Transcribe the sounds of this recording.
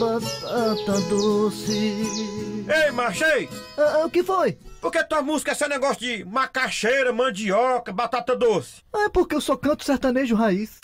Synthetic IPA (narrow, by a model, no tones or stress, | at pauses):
bat̪at̪ɐd̪osɪ | ejmaɾʃejsɐʊkɪfojpoɾket̪ũɐmuzi̥kɐsɛ̃nɛɡɔsjʊd͡ʒɪmakaʃejɾɐmɐ̃d͡ʒiɔkɐbat̪at̪ɐd̪osɪ̥ɐ̃ɛpoɾkeewsɔkɐ̃nt̪ʊ̥sɛɾt̪ɐ̃neʒʊɦais